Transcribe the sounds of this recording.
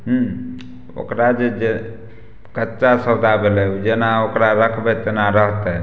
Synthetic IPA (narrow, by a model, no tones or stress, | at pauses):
ɦũ | o̰kɾad͡ʒed͡ʒe | kətːt͡ʃasəd̪ʱabelɛud͡ʒenaokɾaɾəkʰbɛt̪enaɾəɦt̪ɛ